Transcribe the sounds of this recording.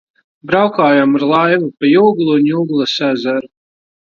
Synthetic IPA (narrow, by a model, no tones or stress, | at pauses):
bɾawkaːjamuɾlˠajvupajuːɡlˠunjuɡlˠasæzaɾu